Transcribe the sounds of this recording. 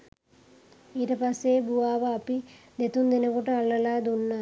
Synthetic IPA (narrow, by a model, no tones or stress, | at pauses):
iɾɐpɐseːbuʋaːʋɐːpi | d̪et̪und̪inɐkuʈɐɐɭːɐlaːd̪unːaː